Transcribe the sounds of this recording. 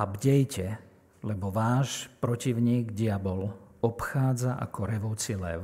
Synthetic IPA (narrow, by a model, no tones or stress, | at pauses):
abɟɛjcɛ | lɛbɔʋaːʃpɾɔciʊɲiːɡɟiabɔlɔpxaːd͡zaʔa̰kɔɾɛʋɔʊt͡silɛ̰ʊ